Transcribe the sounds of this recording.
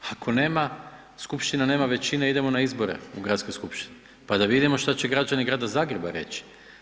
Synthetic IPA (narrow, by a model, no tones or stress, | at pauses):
akʰo̞ne̞ːma | skupʃt̪inane̞ːmaʋe̞t͡ɕineid̪e̞mo̞naizbo̞ɾe̞̰uɡɾat̪sko̞jskupʃt̪i̥ni | pad̪aʋid̪imo̞ʃt̪at͡ɕeɡɾad͡ʒaniɡɾaːd̪azaːɡɾeba̰ɾe̞̰t͡ɕi̥